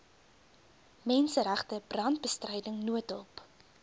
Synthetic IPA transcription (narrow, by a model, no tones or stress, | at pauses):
mɛnsəɾæχtəbrɐnt̚bəstrɛjdəŋnuətɔp